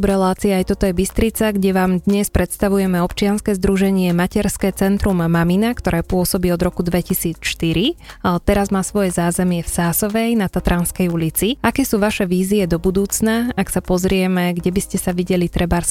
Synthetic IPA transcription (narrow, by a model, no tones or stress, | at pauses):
bɾɛlaːt͡siaajt̪ɔt̪ɔjɛbist̪ɾit͡saɡɟɛʋaːmd̪ɲɛspɾɛt̪st̪aʋujɛmɛɔpt͡ʃɪanskɛːzd̪ɾuʒɛɲɪɛmacɛɾskɛːt͡sɛnt̪ɾumːaminakt̪ɔɾɛːpʊɔsɔbiːɔd̪ɾɔkud̪ʋɛcisiːt͡sʃt̪iɾit̪ɛɾazmaːsʋɔjɛzaːzɛmɪɛfsaːsɔʋɛjnat̪at̪ɾanskɛjulit͡siakɛːsuːʋaʃɛʋiːziɛd̪ɔbud̪uːt͡snaaksapɔzɾɪɛmɛɡɟɛbiscɛsaʋiɟɛlit̪ɾɛbaɾs